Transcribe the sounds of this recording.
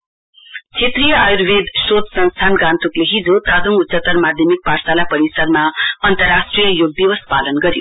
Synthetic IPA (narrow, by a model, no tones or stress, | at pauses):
t͡sʰet̪rijʌajrbed̪sod̪sʌnst̪ʰanɡãnt̪ukleɦid͡zot̪ad̪uŋut͡sʌt̪ːʌrmad̪ʱjʌmik̚parsalapʌɾisʌɾmaʌnt̪ʌrːasʈrijʌjoɡ̚d̪iwʌspalʌnɡʌɾjo̰